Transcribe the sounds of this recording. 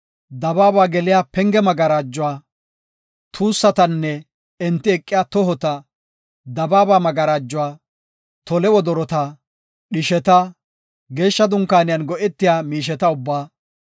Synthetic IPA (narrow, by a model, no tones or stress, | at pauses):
d̪ɐbaːbaːɡɛlɪjaːpɛŋɡɛmɐɡɐɾaːd͡ʒːʊwaː | t̪ʰuːsːɐt̪ɐnːɛ | ɛnt̪ːɪɛkʼːɪjaːt̪ɔɦɔt̪ɐ | d̪ɐbaːbaːmɐɡɐɾaːd͡ʒːʊwaː | t̪ɔlɛwɔd̪ɔɾɔt̪a | ɗɪʃɛt̪ɐ | ɡe̞ːʃːɐd̪ʊŋkːaːnɪjɐnɡɔʔɛt̪ːɪjaːmiːʃ̬ɛt̪ɐʊbːaː